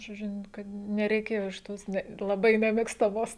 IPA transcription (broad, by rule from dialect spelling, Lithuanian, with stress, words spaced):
ʒoːˈd͡ʒʲʊ n ˈkɐt nʲɛrʲɛɪˈkʲeːjoː ɪʃ ˈtoːs ˈnʲɛ lˠɐˈbɐɪ nʲɛmʲeːkstɐˈmoːs